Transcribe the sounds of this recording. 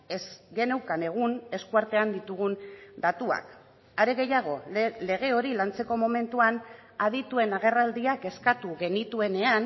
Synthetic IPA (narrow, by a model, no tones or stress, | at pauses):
esɡe̞ne̞wkane̞ɣ̞une̞skuaɾt̪e̞and̪it̪uɣund̪at̪ua̰k | aɾe̞ɣe̞jaɣ̞o̞le̞ɣ̞e̞o̞ɾilant͡se̞ko̞mo̞me̞nt̪uan | að̞it̪ue̞naɣ̞e̞rald̪iake̞skat̪uɣe̞nit̪ue̞ne̞an